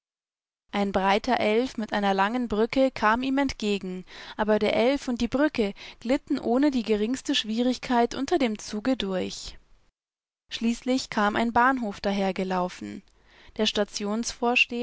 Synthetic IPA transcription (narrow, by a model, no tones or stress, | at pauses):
ʔaɪnbʁaɪtɐʔɛlfmɪtʔaɪnɐlaŋənbʁʏkəkʰaːmiːmɛntɡ̥eːɡŋ̩ʔaːbɐdeːɐʔɛlfʊnt̚d̥iːbʁʏkəɡ̥lɪtn̩ʔoːnədiːɡəʁɪŋstəʃv̥iːʁɪçkʰaɪtʔʊ̰ntɐdeːmt͡suːɡədʊɐç | ʃliːslɪçkʰaːmʔa̰ɪnbaːnɦoːfd̥aɦeːɐɡəlaʊfn̩ | d̥eːɐʃtat͡sjoːnsfoːɐʃteː